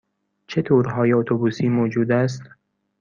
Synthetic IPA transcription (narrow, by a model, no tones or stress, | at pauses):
t͡ʃʰet̪ʰoːɾɦɒːjeot̪ʰobuːsiːmoːd͡ʒuːd̪æs̬t̪